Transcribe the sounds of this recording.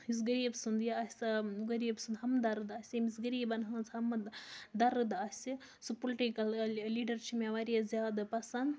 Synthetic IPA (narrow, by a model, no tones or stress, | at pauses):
is̬ɡɐɾiːbsund̪jɐɐsɐɡɐɾiːbsund̪ɦɐmd̪ɐɾɨd̪ɐsʲɐmisɡɐɾiːbɐnɦɐt͡sɐmɐd̪ɐɾɨd̪ɐsʲi | supoliʈikɐlliːɖɐɾt͡ʃʰimʲeʋɐɾijɐzʲjaːd̪ɐpɐsɐnd̪